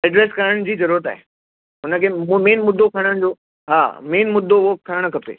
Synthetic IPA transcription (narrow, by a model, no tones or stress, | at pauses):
ɛɖɾeːskɐɾəɽ̃d͡ʑiːzɐɾuːɾət̪̬a̰ːɦe | ʊnə̆kʰeːmeːnmʊd̪ʱːokʰɐɽ̃əɽ̃d͡ʑoː | ɦa̰ːmeːnmʊd̪ʱːoʋoːkk̪ʰɐɾəɽ̃ʊkʰɐpḛː